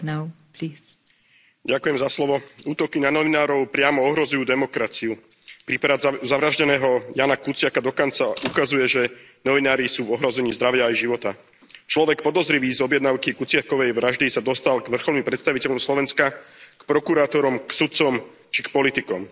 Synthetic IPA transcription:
n | ɟakujɛmzaslɔʋɔuːt̪ɔkinanɔʋinaːɾɔʊpɾɪamɔɔɦɾɔzujuːd̪ɛmɔkɾat͡siu | pɾipɾazaʋɾaʒɟɛnɛːɦɔjaːnakut͡sɪakad̪ɔkɔnt͡saʔukazujɛʒɛ | nɔʋinaːɾisuːvɔɦɾɔzɛɲiːzd̪ɾaʋɪaːjʒiʋɔt̪a | t͡ʃlɔʋɛkpɔd̪ɔzɾiʋiːzɔbjɛd̪naʊkikut͡sɪakɔʋɛjʋɾaʒd̪isad̪ɔst̪alɡʋr̩xɔlnimpɾɛt̪st̪aʋicɛʎɔmslɔʋɛnskakpɾɔkuɾaːt̪ɔɾɔmksut̪̚t͡sɔm | t͡ʃikpɔlit̪ikɔm

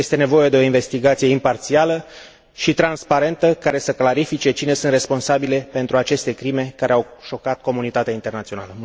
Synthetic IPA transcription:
jest̪e̞ne̞vo̞je̞d̪e̞o̞inve̞st̪iɡat̪sije̞impart̪sialə | ʃit̪ɾanspaɾe̞nt̪əkaɾe̞səklaɾifit͡ʃe̞t͡ʃine̞sɨnt̪re̞spo̞nsabile̞pe̞nt̪ɾuat͡ʃe̞st̪e̞kɾime̞kaɾeawʃo̞kat̪̚ko̞munit̪at̪eaint̪e̞rnat̪sio̞naləm

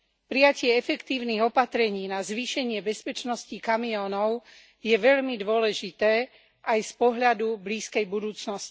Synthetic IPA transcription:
pɾijacɪɛɛfɛkt̪iːʊniɣɔpat̪ɾɛɲiːnazʋiːʃɛɲɪɛbɛspɛt͡ʃnɔscikamiɔːnɔʊ | jɛʋɛʎmid̪ʋʊɔlɛʒit̪ɛː | ʔajspɔɦʎad̪ubliːskɛjbud̪uːt͡snɔsci̥

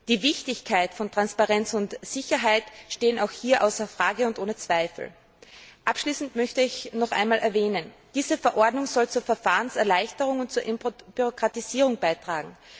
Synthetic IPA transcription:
d̥iːvɪçtɪçkʰaɪtfɔntʁ̥anspaʁɛnt͡sʊntz̥ɪçɐɦaɪtʃteːənaʊxhiːɐʔa̰ʊsɐfʁ̥aːɡəʊntʔoːnət͡sv̥aɪfl̩ | ʔapʃliːsn̩tmœçtəɪçnɔχʔa̰ɪnmaːlʔɛɐvɛːnənd̥iːzəfɛɐʔɔɐdnʊŋzɔlt͡suːɐfɛɐfaːʁənsɛɐlaɪçtəʁʊŋʊnt̚t͡suːɐʔɪmb̥yʁokʁ̥atiziːʁʊŋb̥aɪtʁ̥aːɡŋ̩

